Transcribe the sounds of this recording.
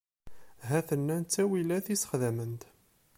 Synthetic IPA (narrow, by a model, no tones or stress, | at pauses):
ɦæθənːænt͡sːæwilæθisə̥χðæmənt̪